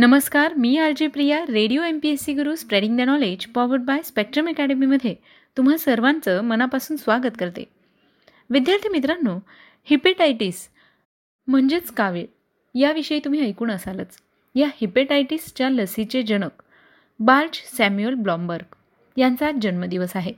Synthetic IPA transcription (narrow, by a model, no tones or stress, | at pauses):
nəməskaɾmiːaɾd͡ʑepɾijaɾeɽijoempiesiɡəɾuːspɾeɽiŋɡd̪ənɔled͡ʑfɔʋəɾɖ̚bajspek̚ʈɾəməkɛɽemiməd̪ʱːje | t̪um̤asəɾʋãnt͡səmənapasuːnsʋaɡət̪kəɾt̪ḛ | ʋid̪jaɾt̪ʰjimit̪ɾanːu | hipeʈajʈis | m̤əɳd͡ʑet͡skaʋiɽ | jaʋiʂəiːt̪um̤iːəjkuːɳəsaləːt͡s | jahipeʈajʈist͡ɕjaləsit͡ɕed͡ʑəɽ̃ək | balt͡ɕsæmjuəlblɔmbəɾɡ | jant͡sad͡ʑənməd̪iʋəsaɦe